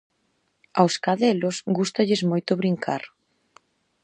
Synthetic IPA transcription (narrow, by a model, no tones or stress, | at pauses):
awskaðɛlʊsɡust̪aʎɪzmojt̪ʊβɾiŋkʰa̰ɾ